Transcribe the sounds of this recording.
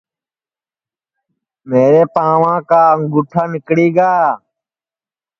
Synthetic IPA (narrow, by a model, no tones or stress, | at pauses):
meːɾeːpãːʋãːkaːŋɡʊʈʰaːnɪkɽiːɡaː